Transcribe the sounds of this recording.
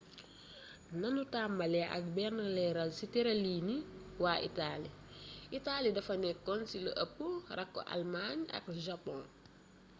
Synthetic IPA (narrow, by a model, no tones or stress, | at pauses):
nɐnutaːmbɐlɛʔɐ̰k̚bɛrnɐlɛɾɐlsitɛɾɐliːniwaːʔḭtaliitaːlidɐfɐnɛkːɔnsilə̰ʔɐpːurɐkːo̰ʔa̰lmaɲɐ̰k̚ʒapɔ̃n